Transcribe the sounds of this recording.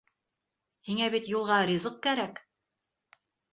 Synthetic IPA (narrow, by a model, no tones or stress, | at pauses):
hiŋæβit̪julˠʁɑɾʲizɤq̚kæɾæk